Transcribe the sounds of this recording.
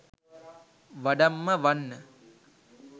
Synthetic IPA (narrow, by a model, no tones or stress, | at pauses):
ʋɐɖɐmːɐʋɐnːə